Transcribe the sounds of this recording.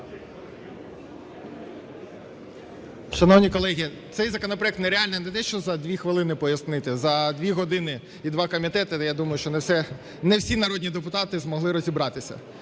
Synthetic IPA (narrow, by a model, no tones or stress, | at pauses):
ʃɐnɔwnʲikɔlˠɛɦʲit̪sɛjzɐkɔnɔpɾɔɛk̚t̪nɛɾeɑlʲnɛnɛt̪ɛʃt͡ʃɔzɐd̪ʲʋʲixʋɪlˠɪnɪpɔjɐsnɪt̪ɪzɐd̪ʲʋʲiɦɔd̪ɪnɪ | id̪ʋɑkɔmʲit̪ɛt̪ɪjad̪umɐjʊʃt͡ʃɔnsɛ | nɛwsʲinɐɾɔdʲnʲid̪epʊt̪ɑt̪ɪzmɔɦlˠɪɾɔzʲibɾɑt̪ɪsʲɐ̰